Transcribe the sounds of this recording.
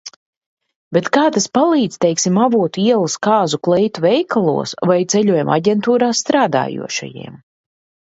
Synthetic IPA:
bʲet̪kaːt̪aspalˠiːd̪z̥ʲt̪ɛjksʲimavuɔt̪uiɛlˠaskaːzuklˠɛjt̪uvɛjkʰalˠṵɔsvajt̪sɛlʲuɔjɛmʔa̰ɟʲɛnt̪uːɾaːst̪ɾaːd̪a̰ːjṵɔʃa̰jḭɛm

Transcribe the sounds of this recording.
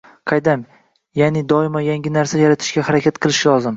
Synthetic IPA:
qʰɑjd̪am | janɪd̪ɒɪmajaŋɡʲɪnaɾsajaɾat̪ʰɪ̥ʃkʲahaɾakʲʰat̪qʰɨlˠɪʃlˠɒzɪm

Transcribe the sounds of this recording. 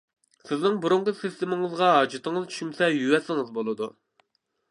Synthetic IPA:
sɪznɪŋbuɾʊɴqʰʊsɪst̪ɪmɪŋɨzʁɑɦɑːd͡ʒɨt̪ɪŋɨzt͡ʃʰy̥ʃymsɛjywɛsɪŋɨzbolˠɨd̪u

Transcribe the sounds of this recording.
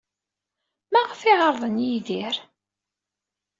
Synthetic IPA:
mæʁfɪʁəɾˤðˤənjiðiɾ

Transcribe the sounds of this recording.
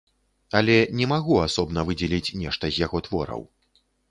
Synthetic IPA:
ɐlʲɛnʲɛmaɣuasɔbn̪ɐvɨd͡zʲɛlʲit͡sʲnʲɛʂt̪ɐzʲjaɣɔt̪vɔɾɐ̰w

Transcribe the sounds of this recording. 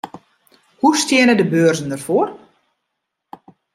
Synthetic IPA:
hustɪənədəbøːrzən̩dərfoər

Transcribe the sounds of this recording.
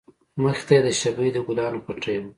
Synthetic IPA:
məxt̪ajed̪əʃabəjd̪əɡulɑnopaʈ͡ʂajm

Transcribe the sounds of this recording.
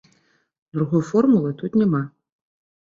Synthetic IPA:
d̪ɾuɣɔjfɔrmulˠɨt̪ut̪nʲɛma

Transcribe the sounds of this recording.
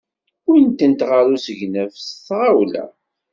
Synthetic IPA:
wnt̪ənt̪ʁaɾusəʝnəvsθʁawlæ̰

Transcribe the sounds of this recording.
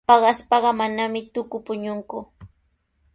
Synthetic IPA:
pɑɢɑspɑɢɑmanamɪt̪ʊkʊpʊɲʊŋkʊ

